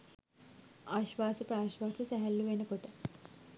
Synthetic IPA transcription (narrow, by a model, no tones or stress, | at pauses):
aːʃʋaːsəpɾaːʃʋaːsəsæɦælːuʋenəkoʈə